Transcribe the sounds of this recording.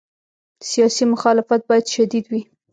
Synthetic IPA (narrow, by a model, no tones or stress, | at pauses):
sijɑsimʊxɑlɪfat̪̚bɑjad̪ʃad̪id̪wi